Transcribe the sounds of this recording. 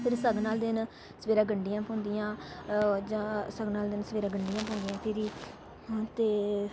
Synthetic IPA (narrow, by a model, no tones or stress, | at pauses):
pʰɪɾsəɡnaːld̪ɪn | səʋeːɾãːɡəɳɖijãːpɔ̃ːnd̪ijãː | d͡ʒãːsəɡnaːld̪ɪnsəʋeːɾãːɡəɳɖijãːp̬ɔ̃ːnd̪ijãːpʰɪɾiː | t̪eː